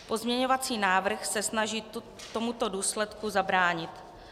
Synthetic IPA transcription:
po̞zmɲɛɲo̞vat͡siːnaːvr̩xsɛsnaʒiː | t̪o̞mut̪o̞duːslɛt̪kuzabɾaːɲɪt̪

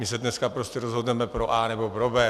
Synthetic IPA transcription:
mɪsɛdnɛskapɾoscɛɾozɦodnɛmɛpɾoʔaːnɛbopɾobɛː

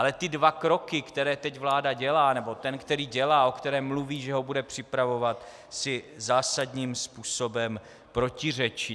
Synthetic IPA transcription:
ʔalɛt̪ɪdvakɾo̞kɪkt̪ɛɾɛːt̪ɛcvlaːdaɟɛlaːnɛbo̞t̪ɛnkt̪ɛɾiːɟɛlaːʔo̞kt̪ɛɾɛːmːluviːʒɛɦo̞budɛpr̝̥ɪpɾavo̞vat̪ | sɪzaːsadɲiːmspuːsobɛm | pɾo̞cɪr̝ɛt͡ʃɪ

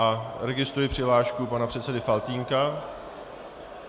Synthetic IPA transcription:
aɾɛɡɪst̪ɾujɪpr̝̥ɪɦlaːʃkupanapr̥ɛt̪sɛdɪfalt̪iːŋka

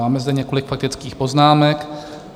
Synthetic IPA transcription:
aːmɛzd̪ɛɲɛko̞lɪkfak̚t̪ɪt͡skiːxpo̞znaːmɛk

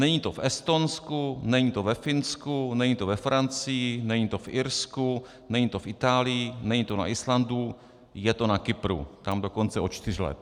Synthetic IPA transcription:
nɛɲit̪ofɛst̪o̞nskunɛɲit̪ovɛfɪnskunɛɲit̪ovɛfɾant͡sɪjɪnɛɲit̪ofɪɾsku | nɛɲit̪ofʔɪt̪aːlɪjɪnɛɲit̪ona̰ʔɪslandu | jɛt̪o̞nakɪpɾṵt̪amdoko̞nt͡sɛʔot͡ʃt̪ɪr̝lɛ̰t̪

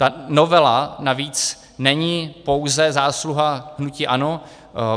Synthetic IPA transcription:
t̪anovɛlanaviːt͡s | nɛɲipo̞wzɛzaːsluɦaɦnuciːʔano

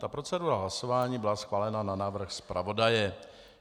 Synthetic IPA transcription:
t̪apɾot͡sɛduːɾaɦlaso̞vaːɲiːbɪlasxvaːlɛnananaːvr̩xspɾʔa̰vo̞dajɛ

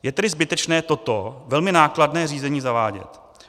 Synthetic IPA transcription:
jɛt̪ɛdɪzbɪt̪ɛt͡ʃnɛːt̪o̞t̪o̞vɛlmɪnaːkladnɛːriːzɛɲiːzavaːɟɛ̰t̪

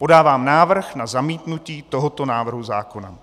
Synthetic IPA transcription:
po̞daːvaːmnaːvr̩xnazamiːt̪nuciːt̪oɦot̪o̞naːvr̩ɦuzaːkona̰

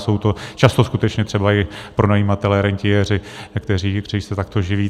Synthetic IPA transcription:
so̞wt̪o̞t͡ʃast̪o̞skut̪ɛt͡ʃɲɛt̪r̝̥ɛbaɪpɾo̞najimat̪ɛlɛɾɛɲcɪjɛrɪkt̪ɛriːkrɛist̪ɛt̪akt̪oʒɪviː

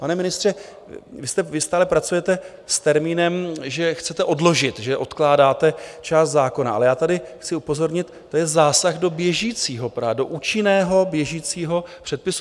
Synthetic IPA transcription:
panɛmɪnɪst̪r̝̥ɛ | vɪst̪ɛvɪst̪aːlɛpɾat͡sujɛt̪ɛ | st̪ɛɾmiːnɛmʒɛxt͡sɛt̪ɛʔo̞dlo̞ʒɪt̪ʒɛʔo̞t̪klaːdaːt̪ɛt͡ʃaːst̪zaːko̞naʔa̰lɛjaːt̪adɪxt͡sɪupo̞zo̞ɾɲɪt̪ːo̞jɛzaːsaɣdo̞bjɛʒiːt͡siːɦo̞pɾaːdo̞ʔuːt͡ʃɪnɛːɦo̞bjɛʒiːt͡siːɦo̞pr̥ɛt̪̚pɪsu

